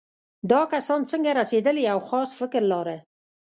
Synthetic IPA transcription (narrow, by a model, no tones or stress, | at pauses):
d̪ɑkasɑnt͡səŋɡaɾased̪əliawxɑsfɪkɾlɑɾe